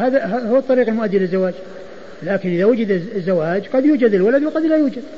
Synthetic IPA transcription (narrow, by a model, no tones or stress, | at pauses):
haːðaɦahʊːɑt̪ˤːɑɾiːqɪlmʊʔad̪ːɪlɪzːawaːd͡ʒ | laːkɪnʔɪðawʊd͡ʒɪd̪zːawaːd͡ʒqɑd̪juːd͡ʒad̪ɪlwalad̪wqɑd̪lajuːd͡ʒad̪